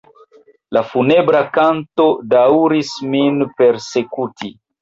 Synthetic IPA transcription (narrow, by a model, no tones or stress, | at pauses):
lafunebɾakanto̞dauɾisminpeɾsekutʰi